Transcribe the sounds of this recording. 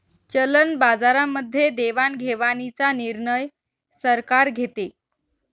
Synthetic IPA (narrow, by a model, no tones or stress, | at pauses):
t͡ɕələnbad͡zaɾamːəd̪ʱːjed̪eʋanɡʱeʋanit͡saniɾɳəj | səɾkaɾɡʱet̪e